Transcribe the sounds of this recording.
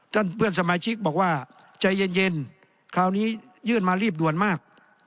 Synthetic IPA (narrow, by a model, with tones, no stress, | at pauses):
t̪ʰa˧˥˩npʰɯ˥˩ənsa˧maː˧˦t͡ɕʰi˦˥k̚bɔː˨˩k̚waː˧˥˩ | t͡ɕa˧jːe˧nje˧n | kʰaː˧wniː˦˥˩ | jɯː˥˩˨nmaː˧ɾiː˥˩p̚du˨˩ənmaː˥˩k̚